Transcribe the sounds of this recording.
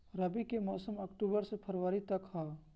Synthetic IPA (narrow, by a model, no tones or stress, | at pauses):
ɾɐbikemɔːsəmɐkʈuːbəɾsepʰɐɾʋəɾit̪ɐkɦaː